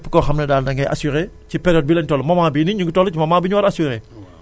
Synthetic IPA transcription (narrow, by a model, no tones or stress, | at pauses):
ɛpːəkɔxɐmnɛdaːlnɐŋɡɛjʔa̰suɾe | cipɛɾjɔːd̚bilɛntɔlmɐmaːbiniɲuŋɡtɔlcimɐmaːbiɲuwɐɾɐsuɾe